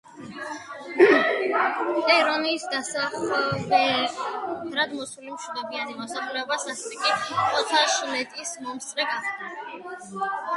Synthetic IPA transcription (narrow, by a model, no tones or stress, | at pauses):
t̪ʼɛɾɔniːsd̪asaχlbɛ | ɾad̪mɔsulimʃud̪ɔbianimɔsaχlɛɔbasasɛt̪ʰʼɛkʼiɔt̪ʰaʃlɛt̪ʼismɔmst̪ʼɾɛɡaχt̪a